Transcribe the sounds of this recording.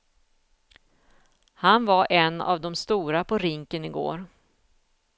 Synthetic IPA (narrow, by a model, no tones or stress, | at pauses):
hanvaɾʔɛnːa̰vd̪ɔmst̪uːɾapʰɔɾɪŋkənɪɡo̰ːɾ